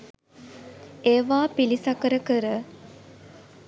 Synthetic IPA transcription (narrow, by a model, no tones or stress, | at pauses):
eːʋaːpilisakəɾəkəɾə